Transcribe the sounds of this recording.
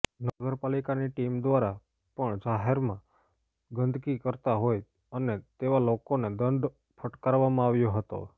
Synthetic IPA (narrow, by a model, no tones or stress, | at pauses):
nəɡəɾpalikaniʈimd̪ʋaɾa | pəɳd͡ʒaɦeɾmã | ɡənd̪ʱkikəɾt̪aɦoj | ənet̪eʋalokoned̪ənɖ̪ | pʰəʈkaɾʋamãaʋjoɦət̪o̰